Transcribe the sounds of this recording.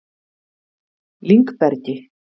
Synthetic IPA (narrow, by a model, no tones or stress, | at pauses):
liŋkpɛɾcɪ